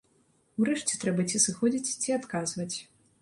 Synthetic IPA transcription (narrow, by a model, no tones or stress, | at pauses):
wɾɛʂt͡sʲɛ̥t̪ɾɛbɐt͡sʲisɨxɔd͡zʲit͡sʲt͡sʲiat̪kazvɐt͡sʲ